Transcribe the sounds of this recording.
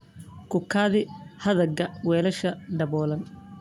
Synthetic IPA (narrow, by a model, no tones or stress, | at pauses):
kʊkʰaːðɪhɐðɐɡɐwɛːlɐʃɐɖɐβɔːlɐn